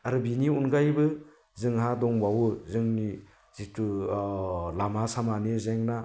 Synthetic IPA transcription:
aɾbiniunɡajbɯ | zɯŋɦadɔŋwawɯzɯŋni | zitu | lamasamanizeŋna

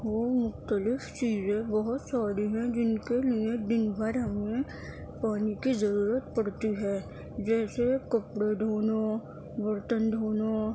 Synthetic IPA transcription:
ʋoːmʊxt̪əlɪft͡ʃiːzẽbɐɦʊt̪saːɾiɦɛ̃d͡ʒɪnkeliẽd̪ɪnbʱaɾɦɐmẽ | paːnikizəɾuːɾət̪pɐɽt̪iɦɛː | d͡ʒɛːsekɐpɽed̪ʱoːno | ʋəɾt̪ənd̪ʱoːno

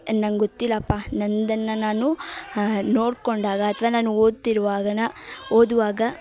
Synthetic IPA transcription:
nɐŋɡot̪ːilːɐːpːaːnɐnd̪ɐnːɐnaːnu | noːɽkoɳɖaːɡɐːt̪ʰɐʋaːnaːnuoːd̪̚t̪iɾuʋaːɡɐnɐoːd̪uʋaːɡɐ

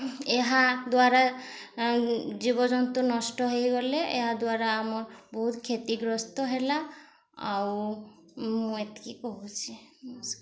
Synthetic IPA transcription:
eɦad̪waɾa | d͡ʒibɔd͡ʒɔnt̪ɔnɔsʈɔɦejɡɔleʔeɦad̪waɾaːmɔɾbɔɦut̪kʰet̪iɡɾɔst̪ɔɦela | a̰w | muũet̪e̥kikoɦut͡ʃʰisk

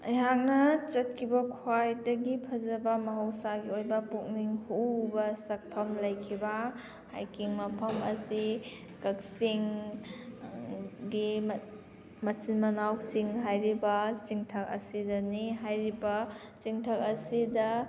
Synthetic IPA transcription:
ɐ̰jɦak̚nɐt͡ʃɐt̚kʰibɐkʰwajdɐɡipʰɐzɐbɐmɐɦɐwsaɡiojbɐpuk̚niŋhubɐsɐk̚pʰɐmlɐjkʰibɐ | ha̰jkiŋmɐpʰɐmɐsi | kɐk̚siŋ | ɡim | mɐtinmɐnawsiŋɦajɾibɐsiŋtʰɐk̚ɐ̰sidɐniɦajɾibɐ | siŋtʰɐk̚ɐsidɐ

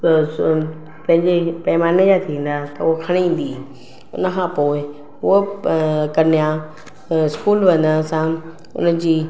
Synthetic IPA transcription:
pɐ̃ɦɪ̃ɲd͡ʑepɛɪmaːnəjat̪ʰĩːn̆d̪at̪ɐʊokʰɐɽ̃iĩːn̆d̪i | ʊ̰nə̆kʰãpoːɪ | ʊo | kɐnijã | ɪskuːlʋɐ̃nəsã | ʊ̰nəd͡ʑiː

